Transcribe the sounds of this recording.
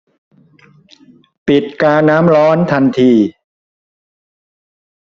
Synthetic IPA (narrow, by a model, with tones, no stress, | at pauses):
pi˨˩t̪̚kaː˧naː˦˥mɾɔː˦˥nt̪ʰa˧nt̪ʰiː˧